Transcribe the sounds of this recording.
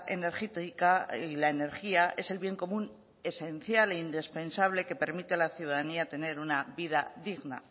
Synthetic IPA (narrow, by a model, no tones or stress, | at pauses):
ḛne̞ɾxet̪ikailaene̞ɾxiaʔe̞se̞lβje̞ŋko̞mũn | e̞se̞nθjaleind̪espe̞nsaβ̞le̞ke̞pe̞ɾmit̪elaθjuðaðaniat̪e̞ne̞ɾunaβiðaðiɣna̰